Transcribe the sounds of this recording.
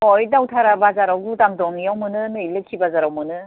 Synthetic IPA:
ɔjdawtʰaɾabazaɾaɡudaŋdɔŋijɔwmɯnɯnɯilɯkʰibazaɾɔwmɯnɯ

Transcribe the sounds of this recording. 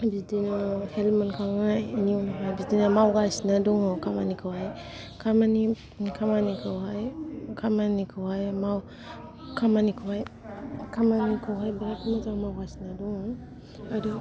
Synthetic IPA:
bidinahelmankʰaŋainiunaɦajbidinamawɡasnaduŋɔkama̰nikʰawaj | kʰamani | kʰamanikʰawajkʰamanikʰawajmaw | kʰamanikʰawajkʰamanikʰawajbaɾakamatamawɡasnaduŋɔ | adu

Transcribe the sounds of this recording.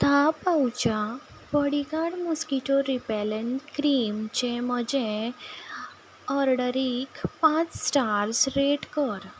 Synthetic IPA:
t̪ʰapawt͡ɕa | pəɽikaɽmuskiʈoɾipɛlənkɾimt͡ɕem̤əd͡ʑẽ | əɾɖəɾikpãt͡ssʈaɾsɾeʈkəɾ

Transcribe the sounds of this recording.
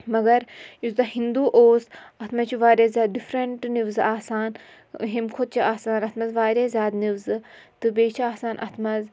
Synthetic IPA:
mɐɡɐɾjuzd̪ɐɦind̪uːʔoːsɐt̪ʰmɐt͡ʃʰiʋaːɾʲazʲjaːɖifʰɾɐɳʈniʋzɨaːsaːn | ɦimkʰot̪̚t͡ʃʰiaːsaːnɐt̪ʰmɐzʋaːɾʲaːzjaːd̪niʋzɨ | t̪ɨbeːt͡ʃʰiaːsaːnʔɐ̰t̪ʰmɐz

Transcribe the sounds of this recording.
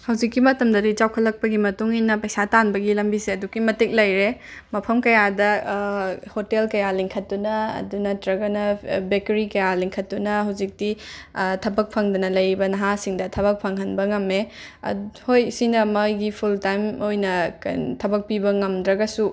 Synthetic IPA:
hɐwd͡ʒikːimɐtɐmdɐdit͡ʃawkʰɐlːɐk̚pɐɡimɐtuŋinɐpɐjsatanbɐɡilɐmbiseɐdukːimɐtik̚lɐjɾemɐpʰɐmkɐjadɐ | hotelkɐjaliŋkʰɐtdunɐɐ̰dunɐtɾɐɡɐnɐbekeɾikɐjaliŋkʰɐtːunɐɦɐwd͡ʒik̚ditʰɐbɐk̚pʰɐŋdunɐlɐjɾibɐnɐɦasiŋdɐtʰɐβɐk̚pʰɐŋɦɐnbɐŋɐmːḛ | hojsinɐmɐjɡipʰultajmojnɐ̰tʰɐbɐk̚pibɐŋɐmd̪ɾɐɡɐsu

